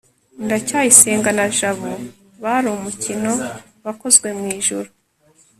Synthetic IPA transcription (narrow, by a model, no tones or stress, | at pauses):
ndacaːjiseːŋɡanaʒaβu | βaɾoumucino̞ | βako̞zɡwe̞mŋiːʒuɾu